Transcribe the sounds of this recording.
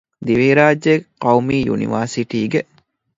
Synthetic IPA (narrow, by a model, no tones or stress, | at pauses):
d̪iʋiːɾaːd͡ʒeqɐwmiːjṵnḭʋaːɾsiʈiːɡe